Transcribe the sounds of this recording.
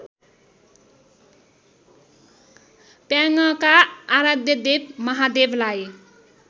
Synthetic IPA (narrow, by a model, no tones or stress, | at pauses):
pjaŋʌkaːɾad̪jʌd̪eb̚mʌɦad̪ebʱlaj